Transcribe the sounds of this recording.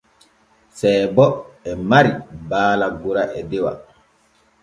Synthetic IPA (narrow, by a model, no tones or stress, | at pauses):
sɛːbɔɛmaɾibaːlaɡuɾaʔɛdɛwa̰